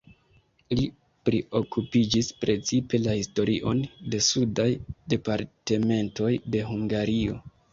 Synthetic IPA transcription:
li | pɾio̞kupid͡ʒispɾe̞t͡sipe̞lahisto̞ɾiʔo̞nde̞sudajde̞paɾte̞me̞nto̞jde̞ɦuŋɡaɾio̞̰

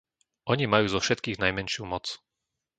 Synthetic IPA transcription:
ʔɔɲimajuːzɔfʃɛt̪kiːɣnajmɛnʃjumɔt͡s

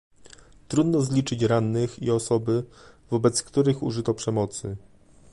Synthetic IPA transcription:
t̪ɾud̪nɔzlʲit͡ʂɘt͡ɕɾanːɘxiɔsɔbɘvɔbɛt̪skt̪uɾɘxṵʐɘt̪ɔpʂɛmɔt̪sɘ

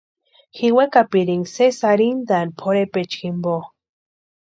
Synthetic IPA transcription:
xiwekapiɾiŋsesaɾind̪anpʰoɾepet͡ʃkimbo

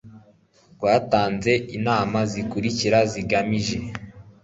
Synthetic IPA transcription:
ɡɡwaːtaːnze̞inaːmazikuɾiciɾaziɡamiʒe̞

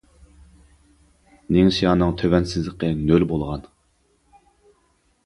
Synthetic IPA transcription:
neŋsijɑːnɨŋt̪ʰøvɛnsɪzləqənølbolˠʁɑn

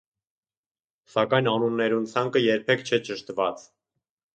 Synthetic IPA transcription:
sɑkɑjnɑnunːɛɾunt͡sʰɑŋkəjɛɾpʰɛkt͡ʃʰɛt͡ʃəʃt̪vɑt͡s

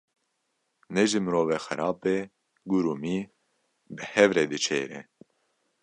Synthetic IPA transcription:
nɛʒimɨɾoːvexɛɾɑːpeː | ɡuɾumiː | bɨhɛvɾeːd̪ɨt͡ʃʰḛːɾɛ̰

